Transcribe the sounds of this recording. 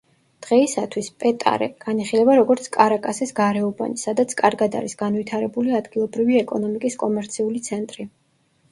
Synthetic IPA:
d̪̥ʁɛisat̪ʰwispʼɛt̪ʼa̰ɾɛ̰ɡ̥aniχilɛbaɾɔɡɔɾt̪sʰkʼaɾakʼasisɡaɾɛɔba̰nisad̪at̪sʰkʼaɾɡad̪a̰ɾisɡ̥anvit̪ʰaɾɛbuliad̪ɡilˠɔbɾiviɛkʼɔnɔmikʼiskʼɔmɛɾt̪sʰiulit̪sʰɛnt̪ʼɾi

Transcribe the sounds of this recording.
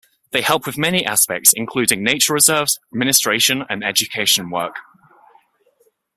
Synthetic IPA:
ðeɪhɛlˠpʰwɪðmɛniʔaspɛ̰k̚tsɪ̰̃nkʰl̥ʉːdɪ̃ŋneɪt͡ʃəɹɪzɜːvz̥əd̚mɪ̃nɪstɹ̥eɪʃə̃nə̰̃nɛd͡ʒəkʰeɪʃə̃nwɜ̰ˑk

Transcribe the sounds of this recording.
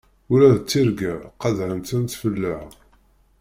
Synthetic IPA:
ʊɾæðt͡sːiɾɡæqɑðɾəmt̪ənt̪fəlːəʕ

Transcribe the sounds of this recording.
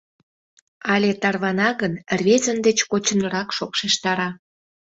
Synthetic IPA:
ɑlʲet̪ɑrβɑnɑɣənrβezənd̪et͡ɕkot͡ɕənəɾɑkʃokʃeʃt̪ɑɾɑ

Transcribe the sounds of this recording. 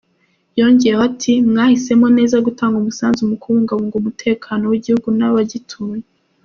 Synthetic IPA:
jo̞ɲɟejehoatʰimŋaːhise̞mo̞ne̞ːzaɡutaːŋɡumusaːnzumukuuːŋɡaβuːŋɡumutʰe̞ːkʰano̞wiɟihuɡunaβaɟitʰuːje

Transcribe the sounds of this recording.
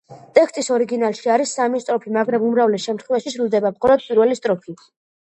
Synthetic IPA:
t̪ʼɛkst̪ʼisɔɾiɡinalˠʃiaɾisːamist̪ʼɾɔpʰimaɡɾɛmumɾavlɛsʃɛmt̪ʰχwɛvaʃiʃɾulˠd̪ɛbamχɔlˠɔd̪̚pʼiɾvɛlist̪ʼɾɔpʰi

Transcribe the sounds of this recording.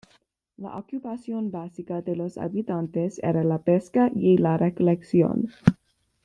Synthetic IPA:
la̰ʔokjupasjonbasikad̪elosa̰bit̪ant̪esḛɾalapeskajelarekoleksjo̰n

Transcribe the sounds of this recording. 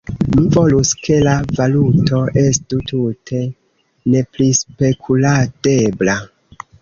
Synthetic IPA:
mivo̞luskʰe̞lavaluto̞ʔe̞stututʰe̞ | ne̞plispe̞kʰulade̞bla

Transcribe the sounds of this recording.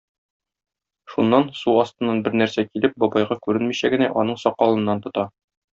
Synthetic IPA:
ʃunːɑnsuɒst̪ɤ̆nːɑnbɘɾnæɾsækilɘp̚bɒbɑjʁɑkʉɾɘnmiɕæɡɘ̆næʔɒnɤɴsɒqːɒlˠɤ̆nːɑnt̪ŏt̪ɑ

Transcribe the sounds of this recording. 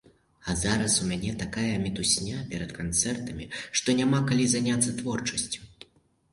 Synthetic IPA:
azaɾɐsumʲanʲɛt̪akajɐmʲit̪usʲnʲapʲɛɾɐt̪kant̪sɛrt̪ɐmʲiʂt̪ɔnʲamakalʲizanʲat̪sːɐt̪vɔrt͡ʂɐsʲt͡sʲu̥

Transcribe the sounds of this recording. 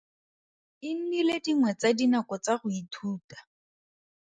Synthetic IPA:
ɪn̩nilediŋwɛt͡sadinakɔt͡saχʊitʰuːtḁ

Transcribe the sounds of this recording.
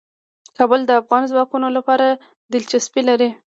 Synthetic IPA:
kɑbəld̪əafɣɑnzwɑkunolapɑɾa | d̪ɪlt͡ʃaspilaɾi

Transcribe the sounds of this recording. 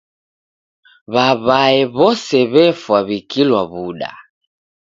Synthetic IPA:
βaβaɛβɔsɛβɛfwaβikilwaβuɗa̰

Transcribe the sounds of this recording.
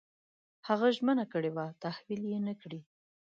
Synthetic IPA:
haɣaʒmənakəɽewat̪ahwiljenəkɽi

